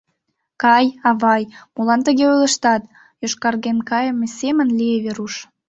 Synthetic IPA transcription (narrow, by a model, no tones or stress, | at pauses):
kɑjɑβɑjmulɑnt̪əɣeojləʃt̪ɑt̪ | joʃkɑrɣenkɑjəmesemənlieβeɾuʃ